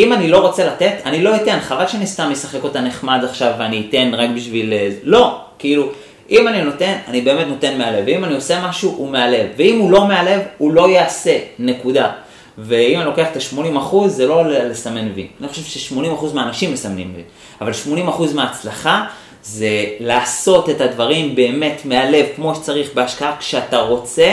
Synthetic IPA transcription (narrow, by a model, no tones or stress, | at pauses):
imanilo̞ʁo̞t͡se̞late̞t̪anilo̞ite̞nχavalʃeanist̪amjesaχe̞ko̞t̪ane̞χmadaχʃavːeaniːte̞nʁakbiʃvilelo̞kiilu | ʔimanino̞te̞nanibe̞ːme̞tno̞te̞nmeale̞veimanio̞se̞maʃuʔumeale̞vːeimulo̞meale̞vulo̞jaːse̞ne̞kuda | ve̞imanilo̞ke̞aχet̪aʃmo̞nimaχuzːelo̞llesame̞nvḭanixoʃe̞vʃeʃmo̞nimaχuzmeaːnaʃimːesamnḭmlḭ | avalʃmo̞nimaχuzmeaːt͡slaχa | ze̞laːso̞te̞tadvaʁimbe̞ːme̞tmeale̞vkmo̞ʃe̥t͡saʁiχbe̞aʃkaakʃeataʁo̞t͡se̞